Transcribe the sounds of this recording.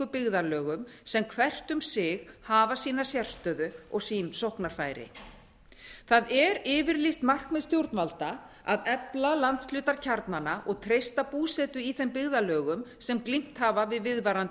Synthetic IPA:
ʏpɪɣðalœːɣʏmsɛmkʰvɛr̥t̪ʏmsɪɣhaːvasiːnasjɛr̥st̪œːðʏɔɣsiːnsɔhknaɾ̥faːjɾɪ̰ | θaðɛɾɪːvɪɾlist̪mar̥kmɛðst̪jowɾt̪nvalt̪a | aðɛplalant̪sflʏːt̪aɾ̥cʰaɾt̪nanaʔɔɣt̪ʰɾejst̪apuːsɛt̪ʏiθɛmpɪɣðalœːɣʏmsɛmklim̥t̪haːvavɪðvɪðvaɾant̪

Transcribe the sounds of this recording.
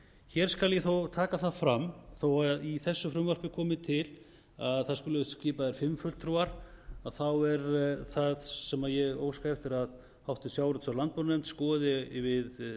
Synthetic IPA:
çɛɾ̥skaljɛθowt̪ʰaːkaθaðfɾamːθowaðiθɛsːʏfɾʏmvœr̥pɪkʰɔːmɪt̪ʰɪl | aðθaðskʏlʏcɪːpaðɛɾ̥fɪmːfœlt̪ʰɾuaɾ̥aðθawɛɾθaðsɛmaðjɛɣo̰ːwskaɛft̪ɪɾað | hawht̪ɪsjaːwɾʏt̪salant̪̚pɔɾnɛm̥t̪skɔːðɪvɪð

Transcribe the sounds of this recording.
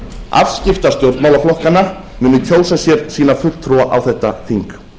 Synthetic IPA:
a̰vscɪft̪ḁst̪jowɾt̪mawlaflɔhkanːa | mɪnʏc̪ʰoːwsasjɛɾsiːnafʏl̥t̪ʰːɾuaʔawθɛht̪ːa̰θiŋk

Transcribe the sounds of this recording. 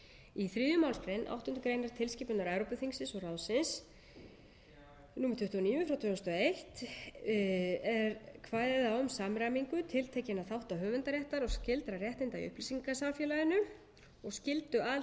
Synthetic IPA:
iθɾiːðjʏmawlspɾɛjnʔa̰wht̪ʏnt̪ʏkɾejnaɾ̥t̪ʰɪlsciːpʏnaɾaɥɾowpʏθiŋsɪnsɔɣrawsɪns | nuːmɾt̪ʰʏht̪uɔniːvʏfɾawt̪ʰvɛːʏst̪ɔejht̪ | ɛɾkʰvaːjðɪθaʏmsamɾamiŋkʏt̪ʰɪlt̪ʰeːjcɪnaðθawht̪aɦœːvʏnt̪aɾjɛht̪aɾɔɣscɪlt̪ɾarjɛht̪ɪjnt̪aḭʏ̰hplisiŋkasamfjɛːlaðɪnʏ | ɔɣscɪlt̪ʏal

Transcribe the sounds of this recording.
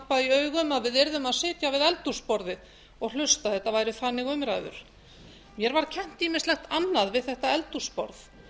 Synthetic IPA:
paðiœːɥɣʏmaðvɪðɛɾðʏmaðsɪːt̪javɪðɛlt̪u̥spɔɾðɪð | ɔɣl̥ʏst̪aθɛht̪avaːjɾʏθanːɪɣʏmɾaːjðʏ̰ɾ̥ | mjɛɾvaɾ̥cʰɛm̥t̪imɪst̪lɛxt̪anːaðvɪðθɛht̪aɛlt̪u̥spɔ̰ɾθ

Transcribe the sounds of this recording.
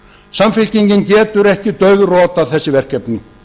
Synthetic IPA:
samfɪlciɲcɪncɛːt̪ʏɾɛhcɪt̪œɥðrɔːt̪aθɛsːɪvɛr̥kcɛpnɪ

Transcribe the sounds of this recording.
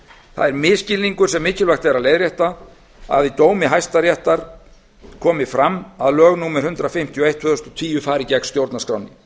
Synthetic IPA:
θa̰ðɛɾmɪːscɪlniŋkʏɾ̥sɛmːɪːcɪlvaxt̪ɛɾaðlejðɾjɛht̪a | a̰ðit̪oːwmɪɦajst̪aɾjɛht̪aɾ̥ | kʰɔːmɪfɾamːaðlœːɣnuːmɛɾ̥hʏnt̪ɾafɪm̥t̪ʰiɔejt̪fʏðʏst̪ɔt̪ʰiːjʏfaːɾɪcɛkn̥st̪jowɾt̪naskɾa̰wnɪ

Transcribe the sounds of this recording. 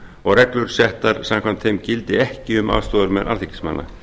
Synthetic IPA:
ɔɣrɛklʏɾ̥sɛht̪aɾ̥samkʰvam̥t̪θejmcɪlt̪ɪɛhcɪʏma̰ːwst̪ɔːðʏɾmɛðʔa̰ɾθɪkɪ̥sma̰nːa̰

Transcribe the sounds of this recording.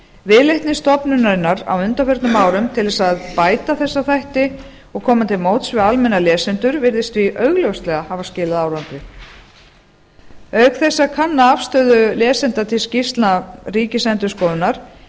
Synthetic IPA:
vɪlejht̪nɪst̪ɔpnʏnaɾɪnːaɾa̰wʏnt̪afɛɾt̪nʏmaːwɾʏmt̪ʰɪlðɛsaðpaːjt̪aθɛsːaθajht̪ɪ | ɔɣkʰɔːmat̪ʰɪlmoːwt̪svɪalmɛnalɛːsɪnt̪ʏɾvɪɾðɪst̪viʔœɥɣlœwst̪lɛɣahaːvascɪːlaðaːwɾant̪ɪ | œɥkθɛsːakʰanːaafst̪œːðʏlɛːsɪnt̪at̪ʰɪlscist̪lnariːcɪsɛnt̪ʏskɔːwðʏnaɾ̥

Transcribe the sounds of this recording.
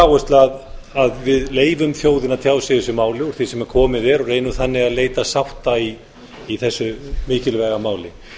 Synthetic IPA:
aːwɛst̪lað | aðvɪðleːjvʏmθjoːwðɪnat̪ʰjaːwsɪðɛsʏmaːwlɪɔɾθisɛmɛɾ̥kʰɔːmɪðɛɾɔɣreːjnʏmθanːɪɣaðleːjt̪asawht̪ai | iθɛsːʏmɪːcɪlvɛːɣamaːwlɪ

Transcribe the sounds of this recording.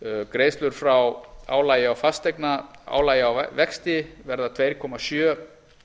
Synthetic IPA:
kɾeːjst̪lʏɾ̥fɾawa̰ːwlaːjɪawfast̪ejknaa̰ːwlaːjɪawvɛkst̪ɪvɛɾðat̪ʰvejɾ̥kʰɔmasjœː

